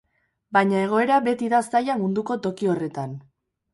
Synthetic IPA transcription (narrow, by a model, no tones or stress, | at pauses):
baɲae̞ɣ̞o̞e̞ɾaβe̞t̪iðasajamund̪uko̞t̪o̞kio̞re̞t̪an